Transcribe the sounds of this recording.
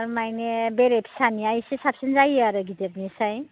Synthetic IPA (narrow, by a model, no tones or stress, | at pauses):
ɾmajnebeɾepʰi̥saniajsesapsend͡zajaɾʌɡʱit̪epnisaj